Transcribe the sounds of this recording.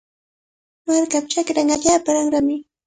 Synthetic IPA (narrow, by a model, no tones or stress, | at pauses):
maɾkap̚t͡ʃakɾaŋaʎaːpaɾaŋɾamɪ